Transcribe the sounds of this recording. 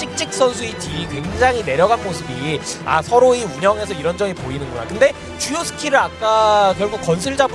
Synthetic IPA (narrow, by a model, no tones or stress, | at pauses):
t͡ɕ͈ik̚t͡ɕ͈ik̚s͈ʌnsʰuitʰikeŋd͡ʑaŋine̞ɾjʌɣanmosʰɯbia̰sʰʌɾoiuɲʌŋe̞sʰʌiɾʌnd͡ʑʌŋipoinɯnɡuna̰kɯnde̞ | t͡ɕujosʰɯ̥kʰiɾɯɾak͈̚akjʌɭɡuk̚k͈ʌnsʰɯɭd͡ʑab